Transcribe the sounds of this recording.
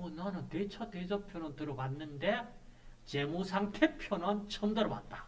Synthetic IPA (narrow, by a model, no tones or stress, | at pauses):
onanɯntet͡ɕʰʌted͡ʑʌpʰjonʌntɯɾʌpanːɯnde̞ | t͡ɕe̞musʰaŋtʰepʰjonɯnt͡ɕʰʌndɯɾʌpa̰t̚t͈ḁ